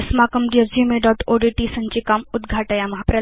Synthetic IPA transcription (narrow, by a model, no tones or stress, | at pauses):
smakəmɖijəzjumeɖɔʈoɖiʈisə̃ɲt͡ɕikamud̪ɡʱaʈəjamɐɦapɾə